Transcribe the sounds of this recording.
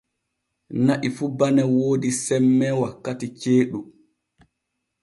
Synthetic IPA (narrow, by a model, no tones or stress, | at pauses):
naʔifubanɛwoːdisɛmːɛwakːatit͡ʃeːɗu